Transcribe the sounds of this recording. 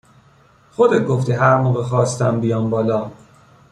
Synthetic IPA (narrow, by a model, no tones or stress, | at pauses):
xod̪et̪̚ɡoft̪iːɦæɾmoːɣexɒːst̪æmbijɒːmbɒːlɒː